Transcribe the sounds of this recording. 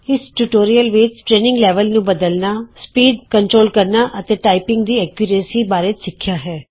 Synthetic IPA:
ɪsʈuʈoːɾijəlʋɪt͡ʃʈɾeːnɪ̃ŋɡlɛːʋəlnũːbəd̪əlnaːspiːɖkəɳʈɾoːlkəɾnaːʔət̪eːʈaːipɪ̃ŋɡd̪iːɛːkjʊɾeːsiːbaːɾeːt̪sɪkʰːjaːɦɛː

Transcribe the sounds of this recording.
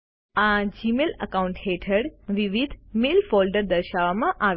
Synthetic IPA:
ad͡ʒimelə̰kaũɳʈɦeʈʰəɽʋiʋid̪ʱmelfolɖəɾd̪əɾʃaʋamãʔa

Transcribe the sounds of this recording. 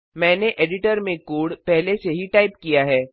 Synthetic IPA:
mɛ̃ːneʔeːɖɪʈəɾmẽkuːɽpɛɦleseɦiʈaːɪpkijaɦɛː

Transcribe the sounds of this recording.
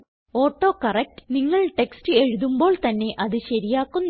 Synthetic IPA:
oːʈːo̞ːkɐrek̚ʈɨ̥niŋːɐɭʈe̞kstɨe̞ɻuðumbo̞ːɭt̪ɐnːe̞ʔɐðɨɕɐɾijaːkːunː

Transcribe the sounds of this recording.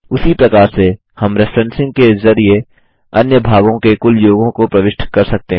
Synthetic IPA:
ʊsipɾɐkaːɾse | hɐmɾɪfɾɛ̃nsɪ̃ŋɡ̚kezɐɾie | ɐnjəbʱaːɡõkekʊljoːɡõkopɾɐʋɪʃʈʰkɐɾsɐk̚t̪eɦ

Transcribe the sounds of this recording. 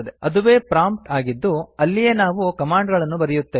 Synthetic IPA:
ɐd̪eʔɐd̪uʋe̞ːpɾaːmp̚ʈaːɡid̪ːuɐlːijenaːʋukɐmaːɳɖɡɐɭɐnːubɐɾijut̪ːeː

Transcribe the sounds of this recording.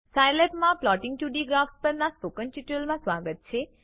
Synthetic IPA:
sajlepmãplɔʈɪŋɡʈuɖiɡɾafspəɾnaspokənʈuʈəlmãsʋaɡət̪̚t͡ʃʰe

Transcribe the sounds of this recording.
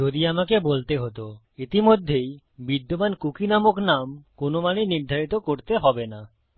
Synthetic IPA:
d͡ʒod̪iamakebolt̪eɦot̪o | it̪imod̪ʱːej | bid̪ːomankukinamoknamkonomanejniɾd̪ʱaɾit̪okoɾt̪eɦɔbena

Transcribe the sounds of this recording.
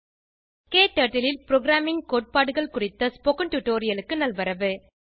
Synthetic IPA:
keːʈːɐʈːɪlɪlpɪɾoːɡɾaːmɪŋkoːʈ̚paːɽɯɣɐɭkʊrɪt̪ːɐspokɐʈuʈːoːɾɪjɐlɯkːɯnɐlʋɐɾɐʋɯ

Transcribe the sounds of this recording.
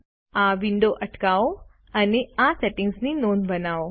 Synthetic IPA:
aʋiɳɖoʔəʈkao | əneaseʈɪŋɡsninonbənao

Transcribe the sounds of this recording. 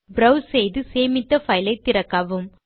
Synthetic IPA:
bɾɐwsɛjðɯseːmɪt̪ːɐfɐjlɐɪt̪ːɪɾɐkːaʋɯm

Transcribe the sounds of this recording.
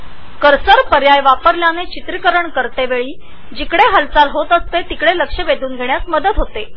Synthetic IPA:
kəɾsəɾpəɾjajʋapəɾljanet͡ɕit̪ɾikəɾəɳkəɾt̪eʋeɭiː | d͡ʑikɽeɦəlt͡salɦot̪əst̪et̪ikɽeləkʂəʋed̪uːnɡʱeɳ̃jasməd̪ət̪ɦot̪e

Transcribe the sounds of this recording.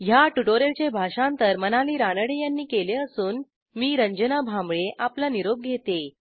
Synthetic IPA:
jaʈuʈoɾelt͡ɕebʱaʂãnt̪əɾmənaliːɾanəɽejanːiːkeleəsuːn | miːɾəɲd͡ʑənabʱamɭeʔaplaniɾob̚ɡʱet̪e

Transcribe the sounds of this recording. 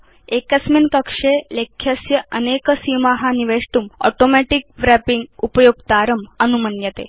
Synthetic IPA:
ekəsminkəkʂelekʰjəsjəənekəsimaɦaniʋeʂʈumɔ̰ʈomæʈik̚ʋɾæpiŋɡupəjoɡ̚t̪aɾəmənumənjət̪ḛ

